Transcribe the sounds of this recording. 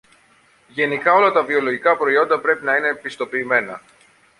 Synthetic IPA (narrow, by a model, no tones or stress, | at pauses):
ʝe̞nikɐo̞lɐt̪ɐvio̞lo̞ʝikɐpɾo̞io̞nd̪ɐpɾe̞pinɐine̞pist̪o̞piːme̞nɐ̰